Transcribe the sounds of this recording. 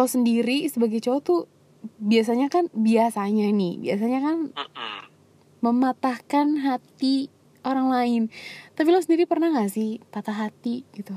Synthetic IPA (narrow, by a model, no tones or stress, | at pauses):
lawsəndiɾisəbaɡajt͡ʃot̪u | bias̬aɲakanbiasaɲanɪhbias̬aɲakan | məmat̪ahkanɦat̪i | oɾaŋlaɪnt̪apilawsəndiɾipərnaŋasɪhpat̪aɦat̪iɡ̥it̪u